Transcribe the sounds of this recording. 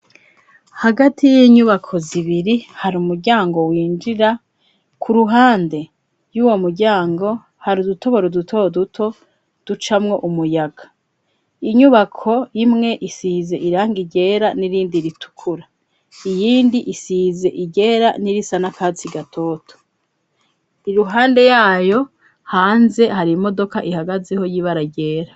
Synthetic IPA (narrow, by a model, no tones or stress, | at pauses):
haɡatʰijiːɲuβakʰo̞ziβiɾihaɾuːmuɾɟaːŋɡo̞wiːnd͡ʒiɾa | kʰuɾuɦaːnde̞ | juːwo̞muɾɟaːŋɡo̞ | haɾudutʰo̞βo̞ɾodutʰo̞dutʰo̞ | d̥ut͡ʃamŋo̞ʔumujaɡ̥a | iɲuβakʰo̞jimŋe̞ʔisize̞ʔiɾaːŋɡiɟe̞ːɾaniɾiːndiɾitʰu̥kʰuɾa | ijiːndiʔisize̞ʔiɟe̞ːɾa̰niɾisanakaːt͡siɡatʰo̞ːtʰo̥ | iɾuɦaːnde̞jaːjo̞ | haːnze̞haɾimo̞do̞kaʔihaɡazeho̞jiβaɾaɟe̞ːɾa